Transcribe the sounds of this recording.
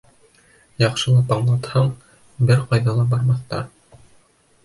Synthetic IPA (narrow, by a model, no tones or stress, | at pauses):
jɑqʃɤ̆lˠɑpɑɴlˠɑt̪hɑɴ | bɘɾqɑjðɑlˠɑbɑɾmɑθt̪ɑ̰ɾ